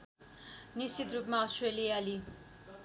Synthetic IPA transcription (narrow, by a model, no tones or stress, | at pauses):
nist͡ʃit̪rupmaɔsʈreliali